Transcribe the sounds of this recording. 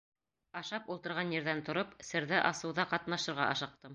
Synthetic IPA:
ɑʃɑpulˠt̪ɤ̆ɾʁɑnjɘ̆ɾðænt̪ŏɾopsɘ̆ɾðæʔɑsɤ̆wðɑqɑt̪nɑʃɤ̆ɾʁɑ̰ʔɑʃɤ̆q̚t̪ɤm

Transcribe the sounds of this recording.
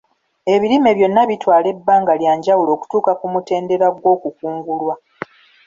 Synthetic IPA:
e̞βiɾime̞βjo̞nːaβitwaːle̞bːaːŋɡaljaːɲɟawulo̞ːku̥tuːkakumute̞ːnde̞ɾaɡwo̞ːkukuːŋɡulwa

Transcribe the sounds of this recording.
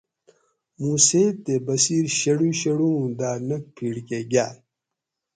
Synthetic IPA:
muːset̪ːebɐsiːɾɕɐɽuɕɐɽuũd̪aːnɐk̚pʰiːɽkeɡʲaːl

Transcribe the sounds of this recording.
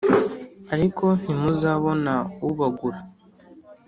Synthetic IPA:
aɾikʰo̞n̥imuzaβo̞nauβaɡuɾa

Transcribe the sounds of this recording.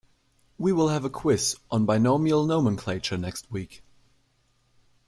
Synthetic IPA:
wiwɪlˠɨvəkʰw̥ɪsn̩baɪnoʊmilˠnoʊmə̃nkʰl̥eɪt͡ʃə˞nɛkst̚wik

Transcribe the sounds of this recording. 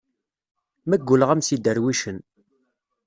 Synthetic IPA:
mæɡːʊləʁæmsid̪əɾwiʃən

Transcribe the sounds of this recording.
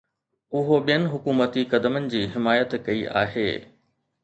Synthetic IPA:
ʊɦoɓijənɪ̆ɦʊkuːmət̪ikɐd̪əmənɪ̆d͡ʑiːɦɪmaːjət̪kɐiʔa̰ːɦḛː

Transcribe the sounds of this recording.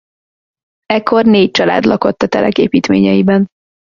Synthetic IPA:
ɛkːo̞rneːc̚t͡ʃɒla̰ːd̪lɒko̞t̪ːɒt̪ɛlʔɛkeːpiːt̪mḛːɲɛjibɛn

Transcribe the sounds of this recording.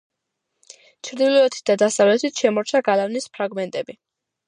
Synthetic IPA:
t͡ʃʰɾd̪ilɔɛt̪ʰi̥t̪̚d̪ad̪asavlɛt̪ʰit̪ʃɛmɔɾt͡ʃʰaɡalavnispʰɾaɡmɛnt̪ʼɛbi

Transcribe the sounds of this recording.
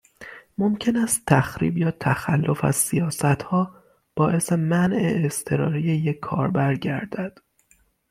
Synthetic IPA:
momcʰe̞næst̪ʰːæxɾḭːbjɒːt̪ʰæxælːo̞fæ̰z̥sijɒːsæt̪hɒː | b̥ɒːʔe̞se̞mænʔeːst̪ʰe̞ɾɒ̰ːɾijejekʰːɒ̰ːɾbæɾɟæɾd̪æd̪̥

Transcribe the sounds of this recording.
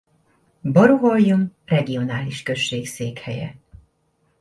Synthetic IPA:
bɔɾuɦojjumrɛɡio̞naːliʃkø̞ʃːeːkseːkhɛjɛ̰

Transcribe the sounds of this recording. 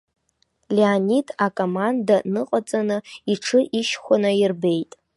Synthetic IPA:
leanidʰʼakʼomandanɨqʼat͡sʼanɨiʈ͡ʂʰɨʔiʃχʷanajirbe̞jtʼ

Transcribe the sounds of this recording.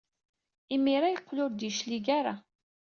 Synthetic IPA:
imiɾajəqːlʊɾd̪iʃliɡaɾa̰

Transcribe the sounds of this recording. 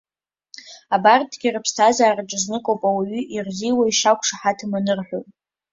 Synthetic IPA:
abartʰʼːɡʲirɨpʰstʰazaːraʈ͡ʂʼɨznɨkʼowpʼawiɥʏʔirziwaiʂakʷʰʼʂaħatʰɨmanɨrħʷᶣowpʼ

